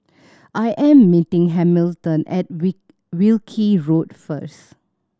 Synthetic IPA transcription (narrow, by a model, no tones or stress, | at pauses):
ʔajʔɛ̃mːitɪ̃ŋɦɛ̃miltə̃nʔɛ̰t̚ | wilkʰiɹot̚fəs